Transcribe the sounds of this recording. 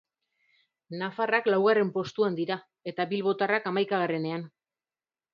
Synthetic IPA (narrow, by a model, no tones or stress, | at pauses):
nafaraklawɣare̞mpo̞st̪uand̪iɾa | e̞t̪aβilβo̞t̪arakamajkaɣ̞are̞ne̞an